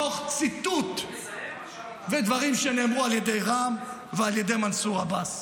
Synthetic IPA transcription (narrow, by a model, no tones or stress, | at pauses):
o̞χt͡sit̪ut̪ | ved̪vaʁimʃene̞ːmʁualjed̪ejʁam | vealjed̪e̞jmansuʁabas